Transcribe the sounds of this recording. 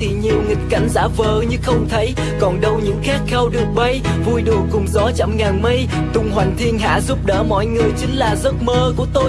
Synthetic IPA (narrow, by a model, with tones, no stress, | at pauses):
t̪ʰi˨˩ɲi˨˩əwŋi˨˩t̟̚ka̰˧˩ŋ̟za̰ː˧˥vəː˨˩ɲɨ˧xə˧wŋ͡mt̪ʰə˨˦j | kɔ˨˩nɗə˧wɲɨ̰˧˥ŋxaː˦˥k̚xɛ˧wɗɨ˨˩ək̚ɓə˧jvu˧jɗu˨˩əŋkʊ˨˩ŋ͡mzɔ˨˦t͡ɕa̰˧˨mŋaː˨˩nmə˧j | t̪ʊ˧˩ŋ͡mɦwa˨˩jŋ̟t̪ʰi˧ənɦa̰ː˧˥zu˦˥p̚ɗə̰ː˧˦mɔ̰˧˨jŋɨ˨˩əjt͡ɕï˨˦ŋ̟laː˨˩zə˦˥t̚məː˧ku˧˩ət̪o˧j